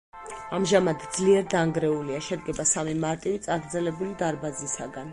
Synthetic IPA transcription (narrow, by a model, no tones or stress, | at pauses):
amʒamad̪d̪zliɛɾd̪aŋɡɾɛuliaʃɛd̪ɡɛbasamimaɾt̪ʼivit̪sʼaɡɾd̪zɛlɛbulid̪aɾbazisaɡan